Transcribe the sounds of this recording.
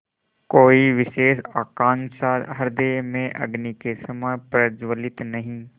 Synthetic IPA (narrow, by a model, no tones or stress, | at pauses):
koːiʋɪʃeːʃaːkãːŋsaːɾɦɐɾd̪eːmẽʔɐ̰ɡnikesɐmapɾəd͡ʒwəlɪt̪nɐɦĩː